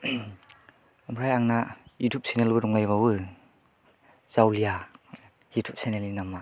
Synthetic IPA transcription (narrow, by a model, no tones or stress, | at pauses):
mbʰɾajaŋnajutʰup̚senelbɯdɔŋajβawɯ | z̥awlija | jutʰup̚senelinamːa